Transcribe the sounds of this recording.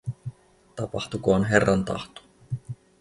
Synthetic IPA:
t̪ɑpɑht̪ukoonɦe̞rːɑnt̪ɑ̰ht̪o̥

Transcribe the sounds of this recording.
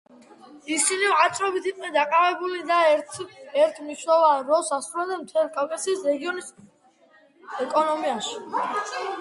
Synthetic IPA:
isiniat̪sʼɾɔbit̪ʰiqʼnɛd̪aqʼavɛbulid̪aɛɾt̪ʰɛɾt̪ʰmiʃwɛvanɾɔsasɾulɛd̪ɛnmt̪ʰɛlˠkʰalkʼasiːsɾɛɡiɔnis | ɛkʼɔnɔmiaʃi̥

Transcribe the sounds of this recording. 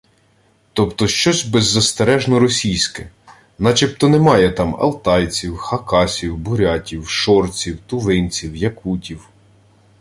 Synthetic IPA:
t̪ɔpt̪ɔʃt͡ʃɔsʲbezːɐst̪eɾɛʒnɔɾɔsʲijsʲkɛ | nɑt͡ʃip̚t̪ɔnɛmɑjɛt̪ɑmɐ̰lˠt̪ɑjt͡sʲiwxɐkɑsʲiwbʊɾʲɑtʲiwʃɔrt͡sʲiwt̪ʊʋɪnʲt͡sʲiwjɐkutʲiw

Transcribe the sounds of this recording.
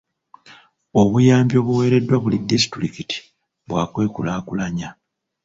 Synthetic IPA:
o̞βujaːmbjo̞ːβuwe̞ːɾe̞dːwaβulidːisi̥tɾikiti̥ | βwaːkwe̞ːkulaːkulaɲa

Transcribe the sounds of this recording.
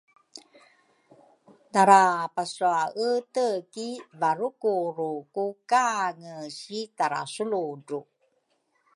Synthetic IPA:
daɾapasɾuaʔətəkivaɾukuɾukukaŋəɕitaɾa̰suludu

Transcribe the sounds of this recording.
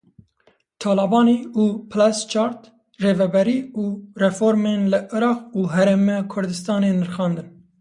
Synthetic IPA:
t̪ʰɑːlɑbɑːniːuːpʰlɛst͡ʃʰɑːɾt̪ | reːvɛbɛɾiːuːrɛfoːɾmeːnlɨʔɨɾɑːquːɦɛɾemɛkʰʊɾd̪ɨst̪ɑːneːnɨɾxɑːnd̪ɨn

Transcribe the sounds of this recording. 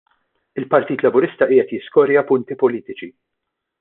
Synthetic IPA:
ɪlpɐɾt̪iːt̪lɐbʊɾɪst̪ɐʔɪːɛt̪jɪskɔɾjɐpʊnt̪ipɔliːt̪ɪt͡ʃi

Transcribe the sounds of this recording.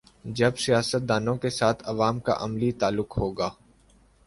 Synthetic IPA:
d͡ʒɐbsijaːsət̪̚d̪aːnõkesaːt̪ʰɐʋaːmka̰ʔɐmlit̪aːlːʊkɦoːɡaː

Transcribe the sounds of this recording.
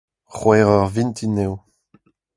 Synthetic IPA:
χwɛːʁœʁvint̪ʰinew

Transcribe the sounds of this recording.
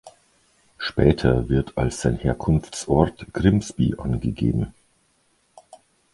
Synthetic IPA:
ʃpɛːtʰɐvɪɐtʰalsz̥aɪnheːɐkʰʊnft͡sʔɔɐtɡ̥ʁɪmsb̥ḭʔa̰nɡəɡḛːbm̩

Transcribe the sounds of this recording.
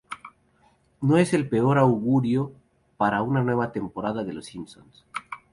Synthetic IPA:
noe̞se̞lpe̞o̞ɾawɣuɾjo̞ | paɾaunanwe̞βat̪e̞mpo̞ɾaðaðelo̞simso̰ns

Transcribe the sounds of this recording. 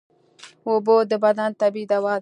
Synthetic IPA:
obod̪əbad̪ant̪abid̪awɑː

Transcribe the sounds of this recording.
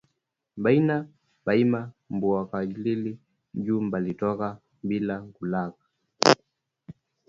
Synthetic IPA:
ɓaina | ɓaimambuakad͡ʒilili | ʄuːmbalitɔka | ɓilakulakḁ

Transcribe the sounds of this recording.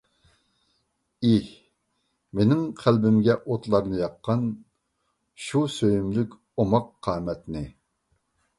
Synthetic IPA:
ih | menɪŋqʰælbɪmɡʲɛʔot̪lˠɑɾnɨjɑqʰːɑn | ʃusøjymlykʲ | omɑqʰːɑːmɛt̪nɪ

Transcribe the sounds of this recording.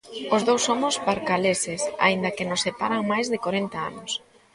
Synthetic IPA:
ʊzðowsːomʊspaɾkalesɪsa̰ind̪ɐkɪnʊsːepaɾaŋmajzðɪkoɾent̪aa̰nʊs

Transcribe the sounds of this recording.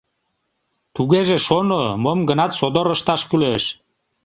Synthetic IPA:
t̪uɣeʒeʃonomomɡənɑt̪sod̪oɾəʃt̪ɑʃkyleʃ

